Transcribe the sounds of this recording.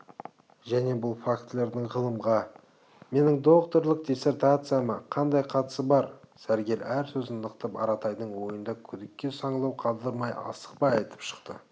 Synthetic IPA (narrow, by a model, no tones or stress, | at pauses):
ʒæne̞bʊlˠfakt̪lʲe̞ɾd̪ɪɴʁəlˠəmʁɑ | me̞nɪŋd̪o̞qt̪o̞ɾlˠəq̚dʲese̞rt̪at̪sɨjaməqʰɑnd̪ɑjqʰɑt̪ə̥səbɑɾsæɾɡʲe̞læɾsɵzɪnnəqt̪əpɑ̰ɾɑt̪ɑjd̪əɴwo̞jənd̪ɑkʲʰʏd̪ɪkʲːe̞sɑɴlˠɑwqʰɑlˠd̪əɾmɑjʔɑ̰sə̥q̚pɑjɑjt̪ə̥pʃə̥qt̪ə̰